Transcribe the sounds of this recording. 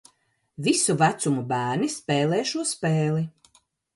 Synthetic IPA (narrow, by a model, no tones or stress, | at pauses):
visuvæt̪sumubæːɾnispɛːlɛːʃuɔspeːli